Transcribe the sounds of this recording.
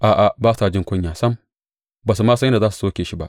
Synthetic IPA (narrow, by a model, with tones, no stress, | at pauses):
ʔaː˨ʔa˨baː˦saː˨d͡ʒɪ˦ŋkʷʊ˦ɲjaː˨sɐ˦m | baː˨s̬u˨maː˦sɐ˦nda˨zaː˦s̬u˨soː˦kʲeː˨ʃi˦ba˦ʔ